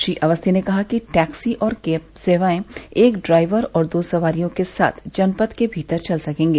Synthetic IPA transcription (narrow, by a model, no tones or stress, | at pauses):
ʃiʔɐʋəst̪ʰinekɐɦakiʈɛːksiʔɔːɾkeːpseːʋaːẽeːkɖɾaːɪʋəɾɔːɾd̪oːsɐʋaːɾijõkesa̰ːt̪ʰd͡ʒɐnpət̪kebʱiːt̪əɾt͡ʃɐlsɐkẽːŋɡeː